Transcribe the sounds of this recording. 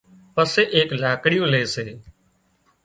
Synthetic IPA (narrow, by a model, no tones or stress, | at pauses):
pəseːʔeːklaːkɽɪjõːleːseː